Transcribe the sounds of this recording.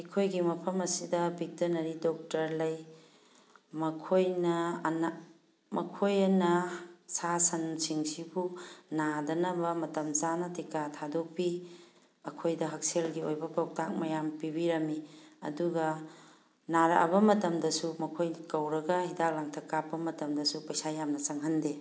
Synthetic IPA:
ɐjkʰojɡimɐpʰɐmɐsidɐbik̚tɐnɐɾidɔk̚tɐɾlɐj | mɐkʰojnɐna | mɐ̰kʰojɐnɐsasɐnsiŋsibunadɐnɐbɐmɐtɐmzanɐtikatʰadopi | ɐkʰojdɐɦɐk̚selɡiojbɐpʰawk̚tʰak̚mɐjampibiɾɐmiɐ̰duɡɐ | naɾɐʔa̰bɐmɐtɐmdɐsumɐkʰojkɐwɾɐɡɐhidak̚laŋtʰɐkːapːɐmɐtɐmdɐsupɐjsajamnɐsɐŋɦɐnde

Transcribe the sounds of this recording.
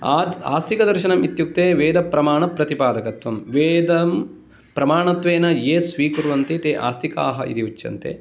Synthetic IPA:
aːd̪a̰ːst̪ʰikɐd̪ɐɾʃɐnɐmit̪juk̚t̪eːʋeːd̪ɐpɾɐmaːɳɐpɾɐt̪ipaːd̪ɐkɐt̪ʋɐmʋeːd̪ɐm | pɾɐmaːɳɐt̪ʋeːnɐjeːsʋiːkuɾuʋɐnt̪it̪eːʔa̰ːst̪ʰikaːɦɐʔḭɾiʋut͡ʃːjɐ̰nt̪ḛ

